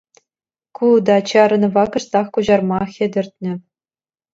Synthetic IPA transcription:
kud̪ɑt͡ɕɑɾɤ̆nvɑkɤ̆ʂt̪ɑχkuʑɑrmɑxʲɘ̆d̪ʲɘ̆rʲt̪̚ʲnʲɘ̆

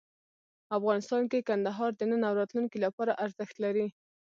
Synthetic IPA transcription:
afɣɑnɪst̪ɑnkekand̪aɦɑɾd̪ənənawɾɑt̪luŋkilapɑɾaʔaɾzəxt̪laɾi

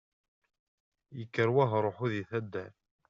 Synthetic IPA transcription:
jəkːəɾwaɦɾˤoħuðiθæd̪ːæɾ

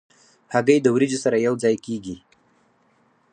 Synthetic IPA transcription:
haɡəjd̪əwɾid͡ʒosaɾajawd͡zɑjkeɡi

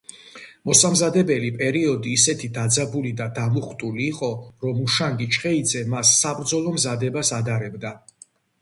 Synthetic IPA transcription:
mɔsamzad̪ɛbɛlipʼɛɾiɔd̪iːsɛt̪ʰid̪ad̪zabulid̪ad̪amuχt̪ʼuliːqʼɔɾɔmuʃaŋɡit͡ʃʰχɛid̪zɛmasːabɾd̪zɔlˠɔmzad̪ɛbasad̪aɾɛbd̪a

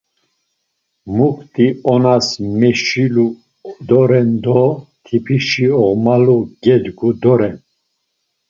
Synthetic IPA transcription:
mukʰt̪ʼiɔnasmɛʃilu | d̪ɔɾɛnd̪ɔt̪ʰipʰiʃiɔʁmaluɡɛd̪ɡud̪ɔɾɛn

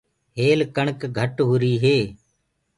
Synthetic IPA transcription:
ɦeːlkəɳkɡʱəʈɦʊɾiːɦeː

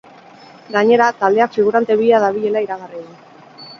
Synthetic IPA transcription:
ɡaɲe̞ɾat̪ald̪e̞akfiɣ̞uɾant̪e̞βiaðaβiʎe̞laiɾaɣari

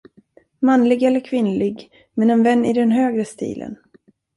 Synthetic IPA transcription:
manlɪɡɛlːəɾkʰvɪnlɪɡ | mɛnɛnvɛnːɪd̪ɛnɦøːɡɾəst̪ḭːlʔə̰n

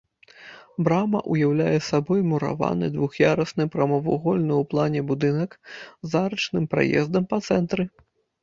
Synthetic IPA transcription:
bɾamɐ̰ʔujawlʲajɛsabɔjmuɾa̰va̰nɨ̰d̪vuxjaɾɐsnɨpɾɐmɔvṵɣɔlʲnɨwplˠanʲɛbud̪ɨnɐkzaɾɐt͡ʂnɨmpɾa̰jɛ̰zd̪ɐmpɐt̪sɛnt̪ɾɨ

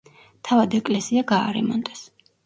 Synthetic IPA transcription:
t̪ʰavad̪ɛkʼlɛsiaɡaːɾɛmɔnd̪ʼɛs

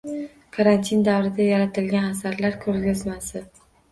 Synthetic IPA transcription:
kʰaɾant̪ʰind̪awɾɪd̪ajaɾat̪ʰɪlɡʲanasaɾlaɾkʰɵɾɡʲɪzmasɪ

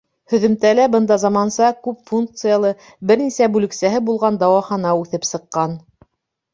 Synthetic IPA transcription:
hɵ̆ðɵ̆mt̪ælæbɤnd̪ɑzɑmɑnsɑkʉpfuŋk̚t̪sɨjalˠɤ | bɘɾnisæbʉlɘ̆ksæɦɘbulˠʁɑnd̪ɑwɑχɑnɑʉθɘpsɤ̆qːɑn

